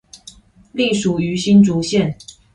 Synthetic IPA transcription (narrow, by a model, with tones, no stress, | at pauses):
li˥˩˨ʂu˨˩y˨˦ɕi˦˥nʈ͡ʂu˨˦ɕjɛ˥˨n